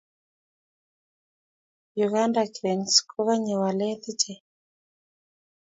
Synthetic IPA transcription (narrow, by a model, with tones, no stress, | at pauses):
juɣa˦ndakɾɛ˨nskʰu˦ɣa˦ɲɛ˨wa˨lɛ˦ti˦t͡ʃɛ˨